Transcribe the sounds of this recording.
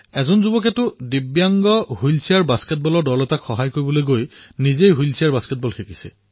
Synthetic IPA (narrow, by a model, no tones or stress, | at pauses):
ɛzɔnzubɔk̬ɛtʊdibjaŋɡɔhulsiaɹbaskɛt̚bɔlɔɹdɔlɔtakxɔɦajkoɹibɔlojɡojnizejɦujlsʰiaɹbaskɛt̚bɔlxʰeki̥sɛ̰